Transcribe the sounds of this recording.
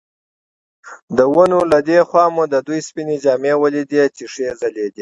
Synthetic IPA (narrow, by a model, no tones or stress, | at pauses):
d̪əwunulad̪exwɑmud̪əd̪ujspined͡ʒɑːmewəlid̪et͡ʃiʂezaled̪i